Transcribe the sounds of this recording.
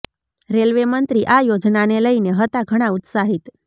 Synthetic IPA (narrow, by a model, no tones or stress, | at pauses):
ɾelʋemənt̪ɾiːʔajod͡znaneləjneɦət̪aɡʱəɽ̃aut̪saɦiːt̪